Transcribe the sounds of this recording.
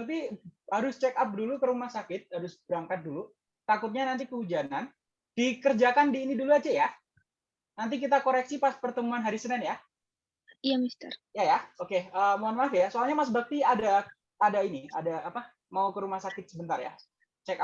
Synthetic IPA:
t̪ihaɾʊst͡ʃɛkap̚dulukəɾumahsakɪt̪̚haɾʊsbəɾaŋkat̪̚dulu | t̪akʊt̪̚ɲanant̪ikəud͡ʒanan | d̥ikərd͡ʒakandiːniduluad͡ʒɛja | nant̪̬ik̬it̪akoɾɛksipaspərt̪əmuanɦaɾisənɪnja | ijamist̪ərjajaokeəːmuanmafijasoalɲamas̬bak̚t̪iada | padainiadaʔːpa | maukəɾumahsakɪt̪̚səbənt̪arja̰ | t͡ʃɛka

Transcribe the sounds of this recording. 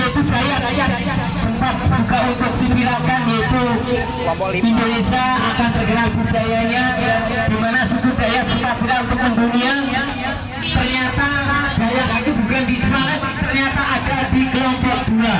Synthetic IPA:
ait̪ubajaʔʔ | səmpat̪̚d͡ʒukaunt̪ʊk̚dipiɾakanjait̪u | indonesaːkant̪ərɡaɾabubajaɲa | ɡ̥imanasukud̥ajat̪səmpat̪̚biɾaunt̪ʊk̚ːəmbunian | t̪ərɲat̪ab̥ajaʔit̪ubukandisəmaŋat̪̚t̪ərɲat̪aʔadadikəlɔmpɔk̚d̪̥ula

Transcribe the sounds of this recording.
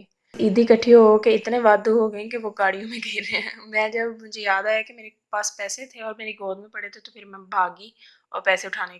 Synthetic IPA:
iːd̪ikəʈʰːiɦokeɪt̪nẽʋaːd̪uɦoːɡəẽkeʋoːkaːɽijõmẽɡʱeːɾeɛ̃mɛ̃ːd͡ʒəbmʊd͡ʒʱejaːd̪aɦɛkemeːɾepaːspɛːset̪ʰeɔːɾmeːɾeɡoːd̪mẽpəɽet̪ot̪opʰɪɾmɛ̃bʱaːɡiː | ɔ̰ːɾpɛːseʊʈʰaːne

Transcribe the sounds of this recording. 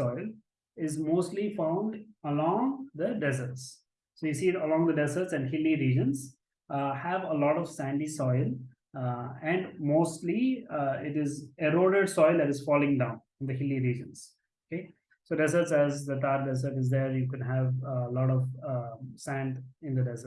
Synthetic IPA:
ɔɪl | ɪzmoːsʈlifãʊ̃ɳɖəlɔ̃ːŋd̪əɖɛzəɾʈsː | oːjusiːəlɔ̃ːŋd̪əɖɛzəɾʈsɛ̃ɳɖhɪliɾiːd͡ʒə̃nz | hæʋəlɔːʈɔʋsæ̃ɳɖisɔɪl | ɛ̃ɳɖmoːsʈliɪʈɪzeɾoːɖeɖsɔɪld̪æʈɪz̥fɔːlɪ̃ŋɖãʊ̃nɪ̃nd̪əhɪliɾiːd͡ʒə̃nz̥ | oke | soːɖɛzəɾʈsæzd̪ət̪aːɾɖɛsəɾʈɪzd̪eɾjukɛ̃nɦæʋlɔːʈɔʋ | sæ̃ɳɖɪ̃nd̪əɖɛzə

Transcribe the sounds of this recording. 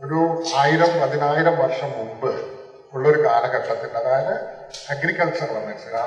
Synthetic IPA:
oɾuaːjiɾɐmpɐðinaːjiɾɐmʋɐrʂɐmːumbɨ | uɭːɐo̞ɾuɡaːnɐkɐʈːɐt̪ːiɳɖɐðaːjɐnɨ | ɐɡɾikːɐɭt͡ɕɐrlɐmensɨɡa

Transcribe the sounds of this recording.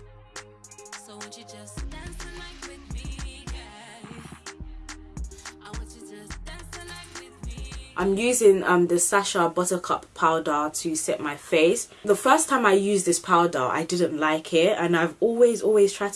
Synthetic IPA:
ʔãɪ̃mjʉːzɪ̃ŋʌ̃mðəsaʃəbʌtəkʰʌ̰pʰːaʊdɑːtʰəsɛ̰ʔ̚maɪfeɪs | ðəfɜˑstʰãɪ̃maɪjʉːzðɪspʰaʊdɑ̰ːʔa̰ɪdɪdⁿn̩ʔlaɪkʰɪtə̃naɪvɔːlˠwɪzɔːlˠwɪz̥tʰɹ̥aɪ

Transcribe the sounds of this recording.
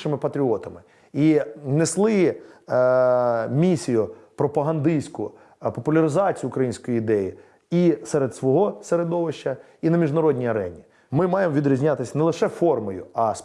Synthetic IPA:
ʃɪmɪpɐt̪ɾʲiɔt̪ɐmɪ | ineslˠɪ | mʲisʲijʊpɾɔpɐɦɐnd̪ɪsʲkʊ̰ | pɔpʊlʲɐɾɪzɑt͡sʲijʊːkɾɐjinʲsʲkɔjiɪd̪ɛji | isɛɾed̪sʋɔɦɔseɾed̪ɔʋɪʃt͡ʃɐ | inɐmʲiʒnɐɾɔdʲnʲijɐɾɛ̰nʲi | mɪmɑjemʋʲid̪ɾʲizʲnʲat̪ɪsʲɐnɛlˠɪʃɛfɔrmɔjʊ̰ɐs

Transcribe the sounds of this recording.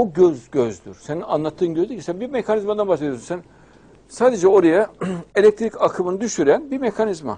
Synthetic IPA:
oɟøzɟøzd̪y̰ɾ̥senianlˠat̪ʰːɯːnɟijod̪icʰisænbimekʰanizmad̪anbasˠeijsunsæn | saːd̪e̞d͡ʒɛo̞ɾajaelʲɛc̚t̪ʰɾicakʰɯmɯnɯd̪yʃyɾænbime̞kʰanizma̰

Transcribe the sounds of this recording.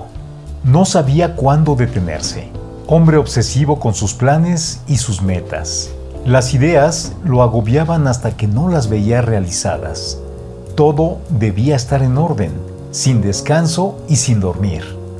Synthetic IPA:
no̞saβiakwand̪o̞ðe̞t̪e̞nḛɾse̞̰ | o̞mbɾe̞o̞βse̞siβo̞ko̞nsusplane̞sisuzme̞t̪a̰s | lasiðe̞azlo̞aɣo̞βjaβanast̪ake̞no̞lazβe̞iarealisa̰ða̰s | t̪o̞ðo̞ðe̞βiaest̪aɾe̞no̞ɾðe̞n | sind̪e̞skanso̞isind̪o̞ɾmḭɾ

